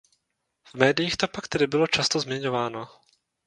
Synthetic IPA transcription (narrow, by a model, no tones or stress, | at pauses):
v̥mɛːdɪjiːxt̪opakt̪ɛdɪbɪlo̞t͡ʃast̪ozmɲɛɲo̞vaːno̞